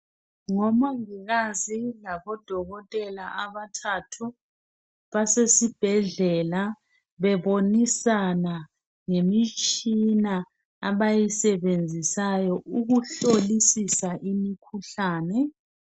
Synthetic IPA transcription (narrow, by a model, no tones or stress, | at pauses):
ŋɔmaŋiɣazilaβɔd̥ʱɔɣɔtʼɛlaʔaβatʰatʰu | βasesib̥ʱɛɮɛla | βɛβonisana | ŋemit͡ʃʼina | aβajisɛβend͡zʱisajɔʔuɣuɬolisisaʔimikʰuɬaːnɛ